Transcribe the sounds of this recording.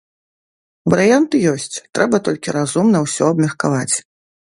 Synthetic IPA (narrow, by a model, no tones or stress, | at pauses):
vɐɾɨjant̪ɨjɔsʲt͡sʲt̪ɾɛbɐt̪ɔlʲkʲiɾazumnɐwsʲɔɐbmʲɐrkavat͡sʲ